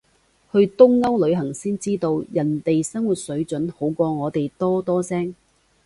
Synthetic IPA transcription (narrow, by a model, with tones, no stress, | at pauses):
hɵ˧ɥt̪ʊ˥ŋːɐ˥wlɵ˨˧ɥɦɐ˨˩ŋsiː˥nt͡siː˥t̪o˧wjɐ˨˩nt̪e˨jsɐ˥ŋwuː˨t̚sɵ˨˥ɥt͡ʃɵ˨˥nho˨˥wkʷɔː˧ŋɔː˨˧t̪e˨jt̪ɔː˥t̪ɔː˥sɛː˥ŋ